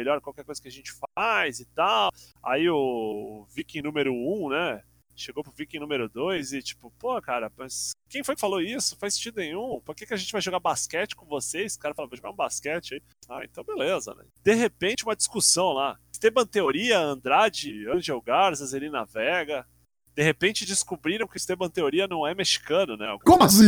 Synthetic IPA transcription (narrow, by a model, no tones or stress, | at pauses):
eʎɔɾkwawkɛɾkojzɐkɪɐʒẽnt͡ʃɪ̥fajzɪt̪awa̰iʊvikĩnũmeɾʊũnɛ | ʃeɡowpɾʊvikĩnũmeɾʊd̪ojzɪt͡ʃi̥pʊpohɐkaɾɐmɐskẽj̃fojkɪ̥faloisʊ̥fajsːĩt͡ʃid̪ʊẽj̃ũpoɾkekɪɐʒẽnt͡ʃɪvajʒoɡabaskɛt͡ʃɪ̥kõvosejskaɾɐfalavoʒoɡaɾũbaskɛt͡ʃɪai | a̰ḛ̃nt̪ɐ̃w̃belezɐ̰nɛ̰d̪̥eɦepẽt͡ʃɪũmɐd͡ʒiskusɐ̃w̃la | st̪ebɐ̃t̪eoɾiɐɐ̃nd̪ɾad͡ʒɪɐ̃ʒewɡaɾzɐzelĩnɐ̰vɛɡɐ | d̪̥eɦepẽnt͡ʃɪd͡ʒɪskubɾiɾɐ̃w̃kɪst̪ebɐ̃t̪eoɾiɐnɐ̃w̃ɛmeʃi̥kɐ̃nʊnɛ̰kõmɐsi